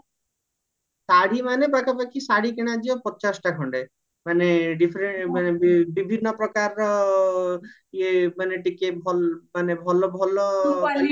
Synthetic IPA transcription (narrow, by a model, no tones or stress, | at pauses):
saɽimanepɾakʰapakisaɽikeɽ̃ad͡ʒiɔpɔt͡ʃasʈakʰɔɳɖe | maneɖipʰɾemanebbibʱinːɔpɾɔkaɾɔ | emaneʈikebʱɔlmanebʱɔlɔbʱɔlɔ